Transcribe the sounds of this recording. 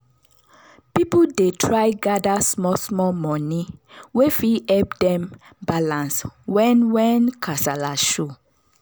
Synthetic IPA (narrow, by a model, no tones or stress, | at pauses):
pipudetʰɹaɪɡadasmɔsmɔmɔ̃niwefiɛp̚dɛ̃m | balãnswɛnwɛnkʰasalaʃu